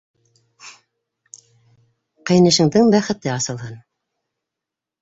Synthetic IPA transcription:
qɤ̆jnɤ̆ʃɤ̆ɴd̪ɤɴbæχɘ̆t̪ɘɑsɤ̆lˠɦɤn

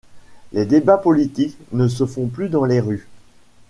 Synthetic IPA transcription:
led̪ebapɔlit̪iknəs̬əfɔ̃plyd̪ɑ̃leʁy

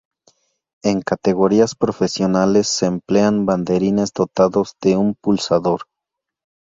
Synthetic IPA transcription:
e̞ŋkat̪e̞ɣo̞ɾiaspɾo̞fe̞sjo̞nale̞sːeːmple̞amband̪e̞ɾine̞zd̪o̞t̪aðo̞zðe̞umpulsaðo̞ɾ

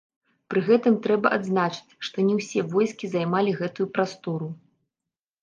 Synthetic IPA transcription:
pɾɨɣɛt̪ɨmt̪ɾɛbɐʔad̪znat͡ʂɨ̥t͡sʲʂt̪ɔnʲɛwsʲɛvɔjskʲizajmalʲiɣɛt̪ujupɾast̪ɔɾu

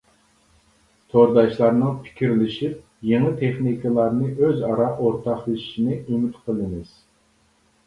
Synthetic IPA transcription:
t̪ʰoɾd̪ɑʃlˠɑɾnɨŋpʰi̥kʲʰiɾlɪʃip̚ | jeŋɨt̪ʰeχnikʰɨlˠɑɾnɨʔøzɑɾɑʔoɾt̪ʰɑχjei̥ʃinɪymɪt̪qʰəlˠɨmɨz̥

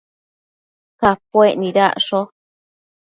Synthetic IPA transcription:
kapwʷeʔnĩɾa̰ʔʂo

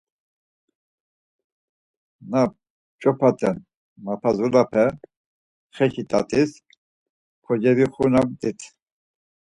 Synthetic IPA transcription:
na | t͡ʃʼɔpʰat̪ʰʼɛn | mapʰazulapʰɛ | χɛkʰit̪ʼa̰t̪ʼis | kʰɔd͡ʒɛviχunamt̪ʼit̪ʰ

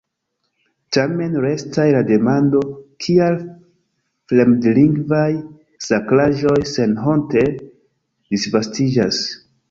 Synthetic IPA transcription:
tame̞nɾe̞stajlade̞mando̞kʰial | fle̞mdliŋɡvaj | saklaʒo̞jse̞nɦo̞nte̞ | d̥isvastid͡ʒas

